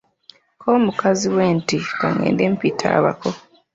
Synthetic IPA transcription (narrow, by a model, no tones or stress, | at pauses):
kʰoːmukaziweːntikaŋḛːndempitʰa̰ːβa̰ko